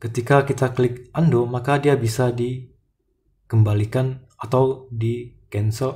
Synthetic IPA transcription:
kət̪ikakit̪aklɪk̚ʔandomakadiabisadi | kəmbalikan | at̪awdikɛnsɔ

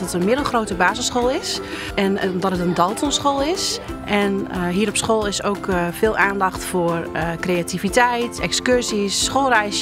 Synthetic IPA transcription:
ɔtənmɪdəlˠxroːtəbaːzəsχxoːlˠɪs | ɛnmdɔtətəndɔlˠtʰɔnsxoːlˠɪsʔɛnɦiːəɾɔpsxoːlˠɪsoːkfɪːlˠʔaːndɑxtfoərkreativitɛjtʰɛkskørsisːxoːlˠrɛjs

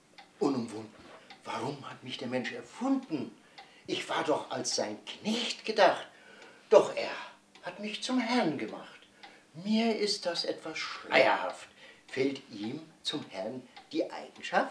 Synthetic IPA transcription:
ʔʊnʊmvʊndn̩vaʁʊmhatmɪçd̥eːɐmɛnʃɛɐfʊndn̩ | ʔɪçv̥aːɐdɔχa̰lsz̥aɪnknɛçtɡ̥ədaχt | d̥ɔχʔeːɐ | hatmɪçt͡sʊmɦɛʁnɡəma̰χt | miːɐʔɪst̚d̥asʔɛ̰tv̥asʃla̰ɪɐ̰ha̰ftfɛltʔiːmt͡sʊmhɛɐnd̥iːʔa̰ɪɡ̥ŋ̩ʃaft

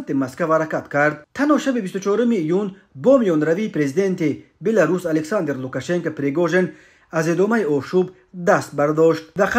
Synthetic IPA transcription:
t̪imaskavaɾakat̪kʰaɾd̪̚t̪ʰanhɔʃabibist̪ut͡ʃɔɾumiːjun | bɔmijɔnɾaviːpɾe̞zid̪e̞nt̪i | be̞laɾusaleksand̪eɾlukaʃe̞ŋkopɾeɡɔʒen | azed̪ɔmaiɔʃub | d̪ast̪̚baɾd̪ɔʃt̪̚vaqa

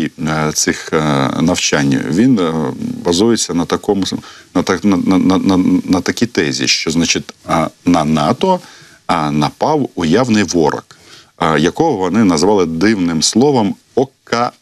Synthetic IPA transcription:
it̪sɪxnɐwt͡ʃanʲːɐ̰ʋʲinbɐzujet͡sʲːɐnɐt̪ɐkɔmʊnɐt̪ɐnɐɐnɐnɐnɐt̪ɐkʲit̪ɛzʲḭʃt͡ʃɔznat͡ʃɪt̪ʲnɐnɑt̪ɔ | nɐpɑwʊjawnɪjʋɔɾɐ̰k | jɐkɔɦɔʋɔnɪnɐzʋɑlˠɪd̪ɪwnɪmslˠɔʋɐm | ɔkːɐ

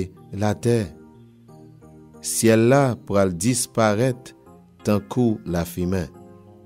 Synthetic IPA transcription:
lat̪ɛ | sjɛlːapʁaldispaʁɛt̪ː | ɑ̃kʰulafimɛ̃

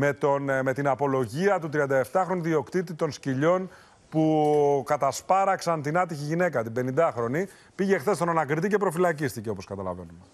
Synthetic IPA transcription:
me̞t̪o̞nme̞t̪inɐpo̞lo̞ʝiɐt̪ut̪ɾiɐnd̪ɐe̞ft̪ɐxɾo̞niðio̞kt̪it̪it̪o̞nsciʎo̞n | pukɐt̪ɐspɐɾɐksɐnt̪inɐt̪içiʝine̞kɐt̪ibe̞nind̪ɐxɾo̞ni | piʝe̞xθe̞st̪o̞nɐnɐkɾit̪ice̞pɾofilɐcist̪ice̞o̞po̞skɐt̪ɐlɐ̰ve̞nume

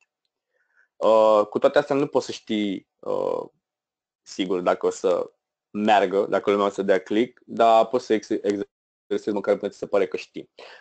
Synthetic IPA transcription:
əkut̪oat̪east̪eanupo̞t̪səʃt̪i | ə̰ | siɡurd̪akəosə̰ | mearɡəd̪akəlumʲaosəd̪eaklikd̪apo̞t̪səeɡz | eɾesezməkaɾpunt̪isepaɾekəʃt̪i

